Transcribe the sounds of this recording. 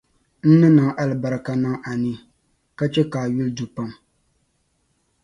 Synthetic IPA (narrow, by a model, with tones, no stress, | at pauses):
n̩˦nɨ˦nɨ˨ŋʔa˦lɨ˨ba˨ɾɨ˨ka˦na˦ŋʔa˨ni˦ | ka˦t͡ʃɛ˦kaː˨ɥu˦ldu˨pa˦m